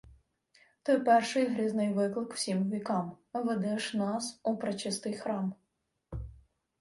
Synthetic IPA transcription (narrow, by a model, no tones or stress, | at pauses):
t̪ɔpɛrʃɪjɦɾʲiznɪjʋɪklˠɪkw̥sʲimʋʲikɑm | ʋɛd̪ɛʃnɑsupɾɐt͡ʃɪst̪ɪxɾɑm